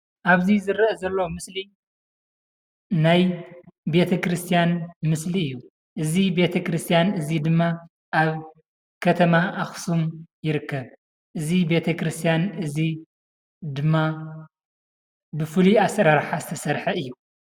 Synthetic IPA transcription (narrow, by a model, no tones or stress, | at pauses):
ʔaβzizɨɾʔɐzɐlːomɨsli | najbe̞t̪ʰɐkɾɨst̪ʰijanmɨsliɨjːu | ʔɨzibe̞t̪ʰɐkɾɨst̪ʰijanɨzid̪ɨmːa | ʔaβ | kʰɐt̪ʰɐmaʔaxsumjɪɾɨkːɐβ | ʔɨzibe̞t̪ʰɐkɾɨst̪ʰijanɨzi | d̪ɨmːa | bɨfɨliasɐɾaɾħazɨt̪ʰɐsɐɾħɐɨjːu